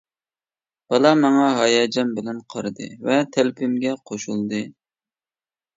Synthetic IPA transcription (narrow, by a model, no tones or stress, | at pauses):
b̥ɑlˠɑmɑŋɑɦɑjɑːd͡ʒɑmbɪlɛnqʰɑɾɨd̪ɨ̰vɛt̪ʰælpʰymɡʲɛqʰoʃulˠd̪ɨ